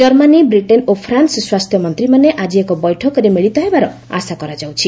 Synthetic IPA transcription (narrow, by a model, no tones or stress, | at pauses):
d͡ʒʌɾmanibɾiʈenopʰɾansswast̪ʰjɔmʌnt̪ɾimaneʔad͡ʒiekobɔjʈʰɔkɔɾemiɭit̪ɔɦebaɾɔ | a̰sakɔɾad͡zawt͡ʃʰi